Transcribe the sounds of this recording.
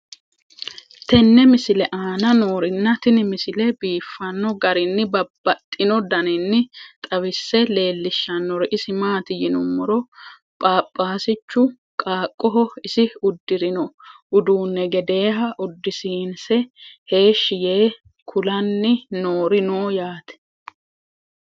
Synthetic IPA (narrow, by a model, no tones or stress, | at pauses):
t̪ɛnːɛmɪsɪlɛʔaːnɐno̞ːɾɪnːɐt̪ɪnɪmɪsɪlɛbiːfːɐnːɔɡɐɾɪnːɪbɐbːɐt̪ʼːɪnɔd̪ɐnɪnːɪt̪ʼɐwɪsːɛle̞ːlːɪʃːɐnːɔɾɛʔɪsɪmaːt̪ɪjɪnʊmːɔɾɔ | pʼaːpʼːaːsɪt͡ʃːʊ | kʼaːkʼːɔɦɔɪsɪʊd̪ːɪɾɪnɔ | ʊd̪uːnːɛɡɛd̪e̞ːɦɐʔʊd̪ːɪsiːnsɛhe̞ːʃːɪje̞ː | kʰʊlɐnːɪnoːɾɪnoːjaːt̪ɛ̥